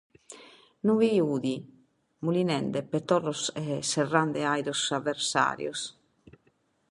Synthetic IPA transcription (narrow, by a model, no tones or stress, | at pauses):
nuviuːði | mulinɛnd̪ɛpɛt̪ɔrːɔsɛsɛrːand̪ɛajd̪osavːɛɾsa̰ːɾjo̰s